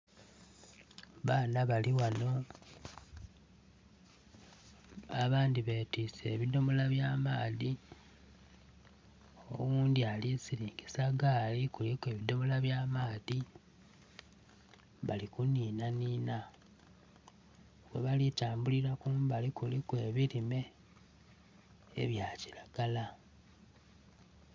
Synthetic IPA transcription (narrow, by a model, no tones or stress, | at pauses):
βaːnaβaliwano̞ | aβaːndiβeːtise̞ːβidomolaβjaːmaːði | o̰wuːndialisiɾiːŋɡesaɡaːlikulikwe̞ːβido̞molaβjamaːði | βalikuniːnanina | βwḛβalitaːmbuliɾakumbalikulikwe̞ːβiɾime̞ | ḛβjaːci̥ɾaɡ̥ala